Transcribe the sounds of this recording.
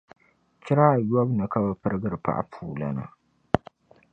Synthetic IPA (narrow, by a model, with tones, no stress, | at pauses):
t͡ʃɪ˦ɾaː˦˨jwɔ˦bnɨ˨˦ka˦ba˨pɨ˦ɾɡɨ˦ɾpa̰˦ʔa̰˦pʰuː˨la̰˦na̰˨